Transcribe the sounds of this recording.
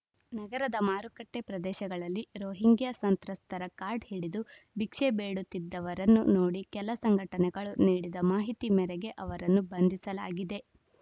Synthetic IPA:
nɐɡɐɾɐd̪ɐmaːɾukɐʈːe̞pɾɐd̪ɛːʃɐɡɐɭɐlːiɾoːɦiŋɡjɐsɐnt̪ɾɐst̪ʰɐɾɐkaːɾɖhiɽid̪ubikʂebeːɽut̪ːid̪ːɐʋɐɾɐnːṵno̞ːɽikɛlɐsɐŋɡʱɐʈɐnɛɡɐɭuniːɽid̪ɐmaːɦit̪imɛɾɛɡe̞ʔɐʋɐɾɐnːubɐnd̪ʱisɐla̰ːɡid̪e̞

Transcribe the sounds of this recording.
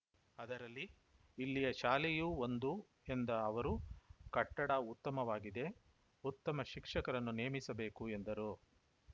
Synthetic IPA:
ɐd̪ɐɾɐlːiː | lːijɐʃaːlejuːo̞nd̪u | e̞nd̪ɐːʋɐɾukɐʈːɐɽɐut̪ːɐmɐʋaːɡid̪e̞ | ut̪ːɐmɐʃikʂɐkɐɾɐnːuneːmisɐbe̞ːkue̞nd̪ɐɾu

